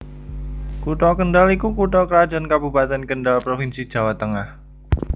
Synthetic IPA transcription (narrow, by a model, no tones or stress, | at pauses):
kuʈɔkəɳɖalikukuʈɔkəɾḁd͡ʒankabṳbat̪ɛnkənɖalpɾofinsid̥ʒ̥a̤wat̪əŋah